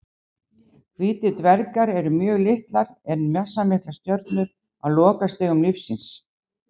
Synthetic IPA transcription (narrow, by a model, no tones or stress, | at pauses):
kʰviːt̪ɪt̪vɛɾkaɾɛɾʏmjœːɣlɪht̪laɾɛnmjasːamɪhklast̪jœɾt̪nʏɾ | aðlɔːkast̪ɪɣʏmnɪfsɪns